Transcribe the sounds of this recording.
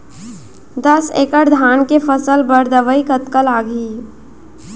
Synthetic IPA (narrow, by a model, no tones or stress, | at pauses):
d̪əsḛːkəʈd̪ʱaːnkefʰəsəlbəɾd̪əʋəikət̪kəlaːɡʱiː